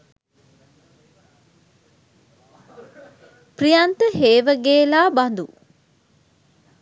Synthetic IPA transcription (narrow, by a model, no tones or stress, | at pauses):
prijant̪əheːʋəɡeːlaːband̪u